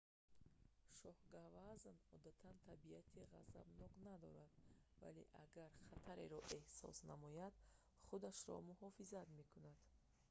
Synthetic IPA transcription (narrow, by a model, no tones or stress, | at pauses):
ʃɔhɡavaznɔd̪at̪ʰant̪ʰabiat̪ʰiʁa̰za̰bnɔqnad̪ɔɾad̪va̰le̞̰ʔaɡaɾχat̪ʰaɾḛɾɔʔe̞hsɔ̰snamɔjad̪̥ | χud̪aʃɾɔ̰muhɔfizat̪me̞kʰunad̪̥